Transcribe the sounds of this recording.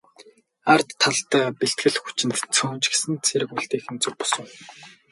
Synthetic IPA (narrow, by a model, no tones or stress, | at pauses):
art̪ʰːaɮt̪aːpeɬt̪̚ɡɘ̆ɮxu̥t͡ɕɪ̆nt̪t͡sʰuːnt͡ɕɡesɘ̆nt͡sʰeɾɘ̆kuɮt̪eːxɘ̆nt͡sɵk̚pɔ̥sə̆ŋ